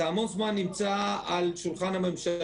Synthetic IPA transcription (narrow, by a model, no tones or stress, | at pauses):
amo̞nzmanːimt͡saalʃulχanhame̞mʃa